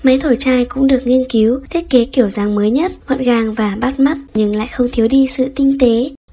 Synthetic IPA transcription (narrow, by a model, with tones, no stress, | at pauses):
ma˨˦jt̪ʰo˧˩jt͡ɕaː˧jkʊ̰˧˥ŋ͡mɗɨ˨˩ək̚ŋi˧ənki˨˦wt̪ʰi˦˥ət̚ke˨˦ki˧˩əwzaː˨˧˩ŋməː˨˦jɲə˦˥t̚hwə̰˧˨nɣaː˨˩ŋvaː˨˩ɓa˦˥t̚ma˦˥t̚ɲɨ˧ŋla̰ː˧˨jxə˧wŋ͡mt̪ʰi˨˦əwɗi˧sɨ̰˧˨t̪ï˧ŋ̟t̪e˨˦